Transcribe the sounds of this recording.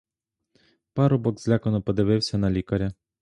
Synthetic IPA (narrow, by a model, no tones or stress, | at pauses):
pɑɾʊbɔɡzlʲakɔnɔpɔd̪ɪʋɪwsʲɐnɐlʲikɐɾʲɐ